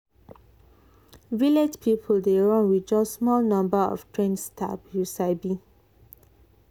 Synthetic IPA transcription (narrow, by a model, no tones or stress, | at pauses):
viled͡ʒpʰipʰəldeɹɔ̃nwid͡ʒɔsmɔlnãmbəɔ̰ftʰɹẽnstʰa̰pjusaɪbi